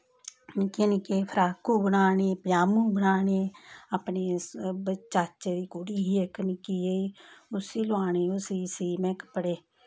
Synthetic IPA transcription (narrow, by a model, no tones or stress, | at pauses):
nɪkeːnɪkeːpʰəɾaːkuːbənaːɳeːpjaːmũːbənaːɳeːapneːbət͡ʃaːt͡ʃeːd̪iːkoːɽiːɦieknɪkiːeiʊsiːloaːɳeːʊsiːsiːmɛ̃ːkə̥pəɽeː